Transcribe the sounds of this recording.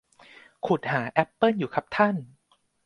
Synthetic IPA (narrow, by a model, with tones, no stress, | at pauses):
kʰu˨˩t̪̚haː˩˦ʔɛ˦˥pːɤː˥˨njuː˨˩kʰa˨˩p̚t̪ʰa˥˩n